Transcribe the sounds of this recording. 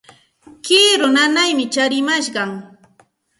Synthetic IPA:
kɪːɾʊnanajmɪt͡ʃaɾɪmaʃɢɑŋ

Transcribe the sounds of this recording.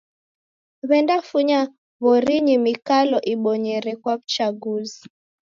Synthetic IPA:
βɛndafuɲa | βɔɾiɲimikalɔʔiɓɔɲɛɾɛkwaβut͡ʃaɡuzi

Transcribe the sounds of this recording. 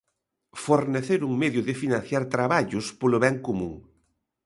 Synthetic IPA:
foɾneθeɾuŋmeðjʊðɪfinãn̟θjaɾt̪ɾaβaʎʊspoloβɛŋkomṵ̃ŋ

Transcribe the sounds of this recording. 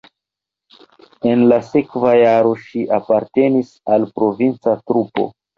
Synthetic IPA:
e̞nlase̞kvajaɾo̞ʃiʔapaɾte̞nisalpɾo̞vint͡satɾupo̞̰

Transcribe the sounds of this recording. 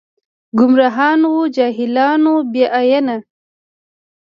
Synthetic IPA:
ɡʊmɾaɦɑːnud͡ʒɑːɦilɑːnobjeʔajana

